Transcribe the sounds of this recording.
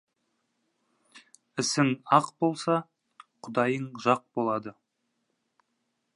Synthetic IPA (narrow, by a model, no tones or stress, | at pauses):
ɪsɪŋɑqbo̞lˠsɑ | qʰʊd̪ɑjəɴʒɑq̚bo̞lˠɑd̪ə